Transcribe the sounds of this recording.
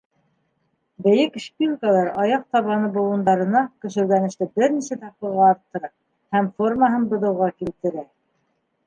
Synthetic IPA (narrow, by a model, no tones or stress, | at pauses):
bɘ̆jɘkʃpʲilˠkəlˠɑɾɑjɑq̚t̪ɑβɑnɤbŭlˠŭnd̪ɑɾɤ̆nɑkɵ̆ʃɘ̆wɡænɘ̆ʃt̪ɘbɘɾnisæt̪ɑqɤ̆lˠʁɑːɾt̪ːɤ̆ɾɑ | hæmforməɦɤnbɤ̆ðɤ̆wʁɑkilt̪ɘ̆ɾæ